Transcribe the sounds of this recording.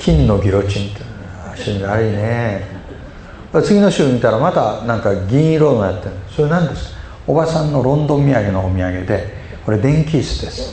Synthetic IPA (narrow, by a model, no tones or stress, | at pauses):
kʲʰĩnːo̞ɡʲiɾo̞t͡ɕĩnt̪e | aɕɨːɲiɡaɾɯ̟ine | koɾet͡sɨɡʲino̞ɕɨːɲit̪aɾamat̪anãŋkaɡʲĩɰ̃ĩɾo̞nojat̪ːe̞ɯ̃so̞ɾenãnd̪e̞sɨ̥kḁ | obasãnːo̞ɾõ̞nd̪o̞mʲiaɡe̞noːmʲiaɡe̞d̪e̞ | ko̞ɾe̞d̪ẽ̞ŋkʲiːsɨ̥d̪e̞sɨ̥